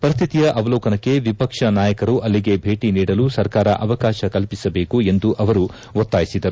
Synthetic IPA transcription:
pɐɾist̪ʰit̪ijɐʔɐʋɐlɔːkɐnɐkːe̞ʋipɐkʂɐnaːjɐkɐɾuʔɐlːiɡe̞bʱe̞ːʈiniːɽɐlusɐɾkaːɾɐʔɐʋɐkaːʃɐkɐlpisɐbe̞ːkue̞nd̪uʔɐʋɐɾu | ʋot̪ːaːjisid̪ɐɾu

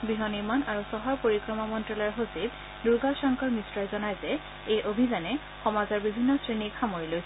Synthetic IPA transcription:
biɦɔnimanaɹusɔɦɔɹpoɹikɹɔmamɔntɹɔlɔɔɹɦosib | duɹɡalʃɔŋkɔɹmisɹɔjzɔnajzɛ | ejʔobʱizanɛ | xɔmazɔɹbibʱinːɔsɹinikxamoɹiloj

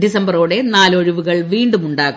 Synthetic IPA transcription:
disɐmbɐroːɽe̞naːlo̞ɻuʋuɣɐɭʋiːɳɖumuɳɖaːɣ

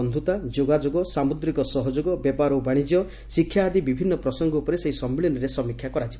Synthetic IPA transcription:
ɔnd̪ʱut̪ad͡ʒoɡad͡ʒoɡɔsamud̪ɾikɔsɔɦɔd͡ʒoɡɔbjepaɾɔbaɽ̃id͡ʒjɔ | sikʰːjaːd̪ibibʱinːɔpɾɔsɔŋɡɔupɔɾeseɦisɔmːilɔnɔɾesɔmikʰjakɔɾad͡ʒibɔ

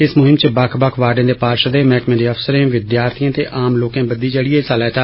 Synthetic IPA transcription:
ɪsmʊɦɪmt͡ʃəbəkʰbəkʰʋaːɾɖẽːd̪eːpaːɾʃəd̪eːmɛːkmẽːd̪eːəfsəɾẽːʋɪd̪jaːɾt̪ʰijãːt̪ḛːʔaːmloːkãːbəd̪iːd͡ʒəɽieːsalɛːt̪aː

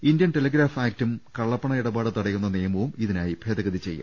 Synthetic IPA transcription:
indjɐnʈelɐɡɾaːfaːk̚tumkɐɭːɐpːɐɳɐiɽɐbaːɽɨt̪ɐɽɐjunːɐneːɐmɐʋumiðinaːjib̥ʱeːd̪ɐɣɐðit͡ɕe̞jːṵm

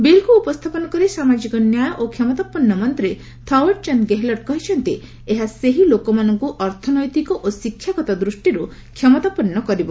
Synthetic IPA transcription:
belkuːpɔst̪ʰapɔnɔkɔɾisamad͡ʒikɔnjajʔokʰjɔmɔt̪apɔnːɔmɔnt̪ɾe | t̪ʰɔweʈ̚t͡ʃɔnɡeɦlɔʈ̚kɔɦit͡ʃʰɔnt̪i | eɦaseɦilokɔmanɔŋkuʔɔɾt̪ʰɔnɔjt̪ikɔʔosikʰjakɔt̪ɔd̪ɾusʈiɾu | kʰjɔmɔt̪apɔnːɔkɔɾibɔ

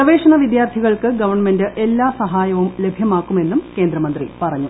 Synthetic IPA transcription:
ɐʋe̞ːʂɐɳɐʋid̪jaːrt̪ʰiɣɐɭkɨɡɐʋɐrɳme̞ndɨʔe̞lːaːsɐɦaːjɐʋumle̞bʱjɐmaːkːume̞nːumke̞ːnd̪ɾɐmɐnd̪rḭpɐrɐɲːu

